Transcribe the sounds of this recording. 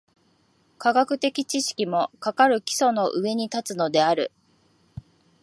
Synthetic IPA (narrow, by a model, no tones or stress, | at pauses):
kaɡakɯ̟t̪e̞kʲit͡ɕiɕi̥kʲimo̞kakaɾɯ̟kʲi̥so̞no̞ʔɯe̞ɲ̟it̪at͡sɨno̞d̪e̞aɾɯ̟̰